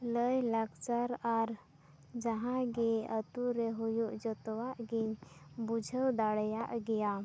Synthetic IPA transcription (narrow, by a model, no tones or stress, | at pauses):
ləjlaɡt͡ʃaɾaɾ | d͡ʒəɦãɡeət̪uɾeɦujuʔd͡ʒət̪waʔɡibud͡ʒʱəwd̪aɽjaʔɡɛja